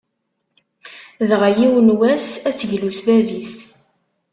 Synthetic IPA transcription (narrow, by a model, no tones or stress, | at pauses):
ðʁajiwənwæsæt͡sːəʝlusðævis